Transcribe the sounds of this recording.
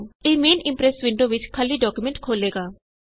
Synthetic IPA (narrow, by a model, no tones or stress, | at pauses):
eːmeːnɪ̃mpɾɛsʋɪ̃ɳɖoːʋɪt͡ʃkʰəlːiɖɔːkjumɛ̃ɳʈkʰoːleːɡaː